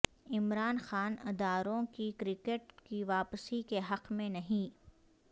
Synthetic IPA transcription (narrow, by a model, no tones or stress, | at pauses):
ɪmɾaːnxaːnɪd̪aːɾõkikɾɪkeʈkiʋaːpsikeɦɐqmẽnɐɦĩ